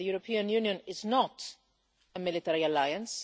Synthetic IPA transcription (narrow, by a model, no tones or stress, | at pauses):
əjuːɾəpʰĩːə̃njũːnjə̃nɪznət | əmɪlɪtɛɹiəlaɪə̃ns